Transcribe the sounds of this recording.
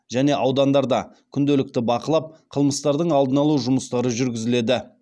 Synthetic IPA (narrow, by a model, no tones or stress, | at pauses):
ʒæne̞ʔɑwd̪ɑnd̪ɑɾd̪ɑ | kʲʰʏnd̪elɪk̚t̪ɪbɑqəlˠɑp̚qʰəlˠməst̪ɑɾd̪əɴɑlˠd̪ənɑlˠuʒʊməst̪ɑɾəʒʏɾɡʲɪzɪle̞d̪ɪ